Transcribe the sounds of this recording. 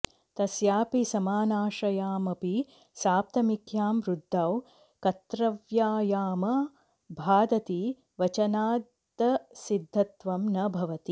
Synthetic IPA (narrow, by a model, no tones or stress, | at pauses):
t̪ɐsjaːpisɐmaːnaːʃɐjaːmɐpi | saːp̚t̪ɐmikʰjaːmɾud̪ʱːaːw | kɐt̪ɾɐʋjaːjaːmɐ | bʱaːd̪ɐt̪i | ʋɐt͡ʃɐnaːd̪ | ɐsid̪ʱːɐt̪ʋɐmnɐbʱɐʋɐt̪i